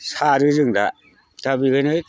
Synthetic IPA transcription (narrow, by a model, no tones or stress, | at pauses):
saɾɯzɯŋda | tabiɡɯnɯ